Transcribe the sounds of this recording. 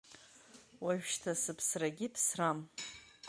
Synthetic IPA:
waʒᶣʃtʰasɨpʰsraɡʲɪpʰsram

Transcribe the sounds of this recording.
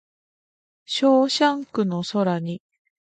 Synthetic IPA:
ɕoːɕãŋkɯ̟no̞so̞ɾaɲ̟i

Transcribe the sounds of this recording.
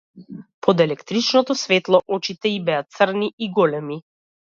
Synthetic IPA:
pʰɔd̪ɛlɛkt̪ɾit͡ʃnɔt̪ɔsvɛt̪lˠɔʔɔt͡ʃit̪ɛibɛat̪sr̩niiɡɔlɛmi

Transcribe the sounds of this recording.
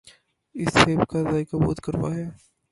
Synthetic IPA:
ɪsheːbkazaːjkabo̰ːd̪kəɾʋa̰ɦɛː

